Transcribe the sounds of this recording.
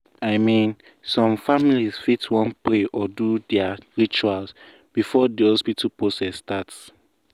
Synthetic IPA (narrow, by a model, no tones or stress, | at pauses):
aɪmĩn | sɔ̃mfamilizfitwɔ̃npɹeʔɔdudɛaɹit͡ʃuals | b̥ifɔdiɔspitʰapɹosɛsːtats